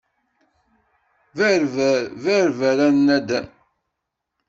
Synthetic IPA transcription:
v | væɾvæɾæɾnæd̪æn

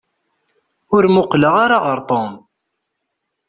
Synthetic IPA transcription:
ʊɾmʊqləʁaɾaʁəɾˤt̪ˤom

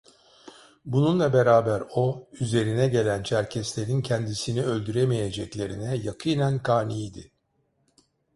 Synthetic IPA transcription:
bununlˠabe̞ɾaːbæɾo̞yze̞ɾinɛɟe̞lʲænt͡ʃʰæɾcʰɛslʲe̞ɾincʰɛnd̪isiniø̞lʲd̪yɾemije̞d͡ʒɛclʲe̞ɾinɛjakʰɯnænkʰaːnijd̪ɪ̰

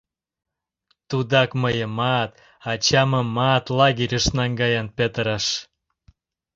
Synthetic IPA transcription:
t̪ud̪ɑkməjəmɑt̪ | ɑt͡ɕɑməmɑt̪lɑɣiɾʲəʃnɑŋɡɑjɑnpet̪əɾɑʃ

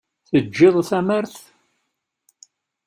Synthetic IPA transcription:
θəd͡ʒːɪðˤθæməɾθ

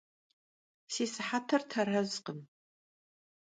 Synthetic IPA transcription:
siːsɨħatʰɐrtʰɐɾɐzqəm

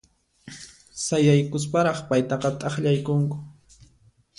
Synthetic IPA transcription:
sajajkʊs̬paɾɑχpajt̪ɑqɑt̪ʼɑχʎajkʊŋkʊ̥

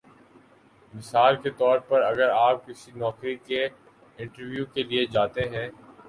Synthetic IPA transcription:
mɪsaːlket̪ɔːɾpɐɾɐɡəɾaːp̚kɪsinɔːkɾike | ɪ̃ɳʈəɾʋjukelied͡ʒaːt̪eɦɛ̃ː

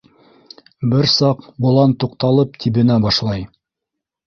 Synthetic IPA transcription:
bɘɾsɑqbulˠɑnt̪uq̚t̪ɑlˠɤp̚t̪ʰiβɘ̆næbɑʃlˠɑj

